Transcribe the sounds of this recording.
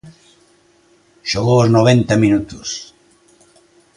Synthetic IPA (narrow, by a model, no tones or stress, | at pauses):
ʃoɣooznoβent̪ɐminut̪us